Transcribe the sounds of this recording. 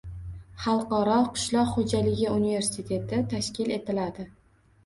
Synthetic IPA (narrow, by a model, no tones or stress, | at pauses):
χɑlˠqɒɾɒqʰʊ̥ʃlˠɒqχod͡ʒalɪɡʲɪunive̞ɾsit̪ʰe̞t̪ʰɪt̪ʰaʃkʲɪle̞t̪ɪlad̪ɪ